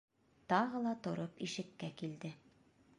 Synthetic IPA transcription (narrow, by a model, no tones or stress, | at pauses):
t̪ɒʁɤlˠɑt̪ŏɾopiʃɘ̆kːækild̪ɘ